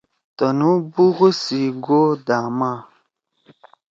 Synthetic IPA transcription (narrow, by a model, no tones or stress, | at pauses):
tɔnubuɣusiɡodama